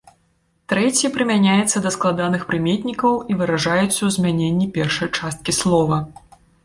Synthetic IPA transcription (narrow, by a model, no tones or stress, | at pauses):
t̪ɾɛt͡sʲipɾɨmʲanʲajɛt̪sːɐd̪ɐsklˠad̪anɨxpɾɨmʲet̪ʲnʲikɐwivɨɾaʐajɛt̪sːɐwzʲmʲanʲenʲːipʲɛrʂɐjt͡ʂast̪̚kʲislˠɔvɐ